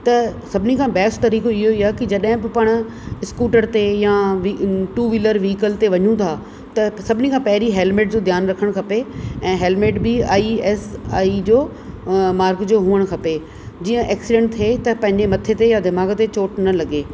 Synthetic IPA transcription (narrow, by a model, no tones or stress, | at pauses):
t̪ɐsɐbʱɪnikʰãːbɛːsʈt̪ɐɾiːkoɪɦoɪɦaːkid͡ʑɐɗɦɪ̃bɪpɐɽ̃ | ɪskuːʈəɾt̪ejãʋiʈuːʋiləɾʋiːɦɪkəlt̪eʋɐɲũt̪ʰaː | t̪ɐsɐbʱɪnikʰãːpɐɦɪɾiɦeːlmeːʈd͡ʑod̪ʱjaːnɾɐkʰəɽ̃kʰɐpeɛ̃ːɦeːlmeːʈbɪaːiɛːsaːid͡ʑoː | maːɾɡd͡ʑoːɦuəɽ̃kʰɐpe | d͡ʑiːə̃ʔɛːksiɖə̃ɳʈ̚t̪ʰet̪ɐpɐ̃ɦɪ̃ɲd͡ʑemɐt̪ʰet̪ejãd̪ɪmaːɡt̪et͡ɕoːʈnɐlɐɠeː